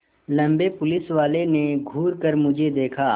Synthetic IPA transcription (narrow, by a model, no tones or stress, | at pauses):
lɐ̃mbepʊlɪsʋaːleneɡʱuːɾkɐɾmʊd͡ʒʱed̪eːkʰaː